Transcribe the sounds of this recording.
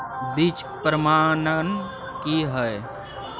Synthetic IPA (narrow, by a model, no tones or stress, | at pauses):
bit͡ʃpɾəmaːnən | kiɦəe